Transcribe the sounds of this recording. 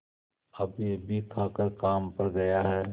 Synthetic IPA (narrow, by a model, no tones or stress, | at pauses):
ɐbjeːbʱikʰaːkəɾkaːmpɐɾɡɐjaɦɛː